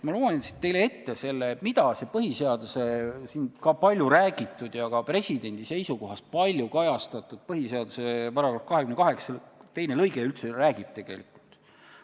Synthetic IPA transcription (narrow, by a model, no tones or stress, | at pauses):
mɑloːlɑnnt̪sit̪t̪e̞jle̞e̞t̪ːe̞se̞lːemid̪ɑse̞pɤɦise̞ɑd̪use̞sinkɑpɑlʲjuɾæːɡit̪ːˑud̪̥jɑkɑpre̞sʲid̪e̞nʲd̪̥ise̞jsuko̞ɦɑst̪̚pɑlʲjukɑjɑst̪ɑt̪ːˑud̪̥̚pɤɦise̞ɑd̪̥use̞pɑɾɑɡrɑfkɑɦekymnekɑɦe̞ksɑt̪e̞jne̞lɤjɡeylt̪se̞ræːɡ̥ib̥̚t̪e̞ɡ̥e̞̰likult̪